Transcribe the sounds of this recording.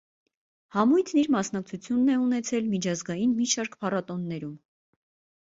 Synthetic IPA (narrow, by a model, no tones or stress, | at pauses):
hɑmujt̪ʰniɾmɑsn̪ɑk̚t͡sʰut͡sʰjunːɛunɛt͡sʰɛlmit͡ʃʰɑzɡɑjinmiʃɑɾkpʰɑrɑt̪ɔnːɛɾum